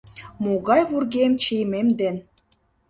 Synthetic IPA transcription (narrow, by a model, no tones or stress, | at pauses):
moɣɑjβurɣemt͡ɕejmemd̪en